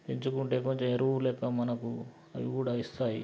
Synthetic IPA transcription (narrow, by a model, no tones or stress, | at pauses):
piɲt͡ʃukuɳʈe̞ːko̞ɲt͡ʃemeɾulɛːkɐmɐnɐku | ɐʋikuːɽaist̪aːji